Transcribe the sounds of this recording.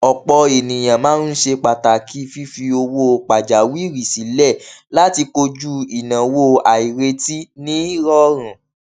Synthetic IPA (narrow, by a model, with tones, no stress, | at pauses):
ɔ˨k͡pɔ˧e˨nĩ˨j̃ã˨mãː˨˦nu˦ʃe˧k͡pa˨ta˨kʰi˦fi˦fi˧o˧wo˦˨k͡pa˨d͡ʒa˨˦wi˦ɾi˨si˨˦lɛ˦˨la˦ti˧ko˧d͡ʒu˦i˨nã˨wo˦˨a˨i˨ɾe˧ti˦nĩ˦ɾɔ˧ɾ̃ã˨